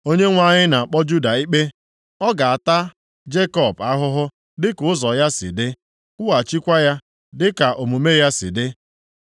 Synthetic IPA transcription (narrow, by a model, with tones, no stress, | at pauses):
o˦ɲe˦ŋʷa˦ɲɪ˦na˨a˨k͡pɔ˦d͡ʒu˦da˨i˦k͡pe˦ | ɔ˦ɡa˨a˨ta˦ | d͡ʒe˦kɔ˨ba˦ɦʊ˦ɦʊ˦ | dɪ˦kʊ˨ʊ˦zɔ˨ja˦sɪ̰˨dɪ˦ | kʊ˦wa˨t͡ʃi˦kʷa˦ja˦ | dɪ˦ka˨ʔo˨mu˨me˦ja˦sɪ̰˨dɪ˦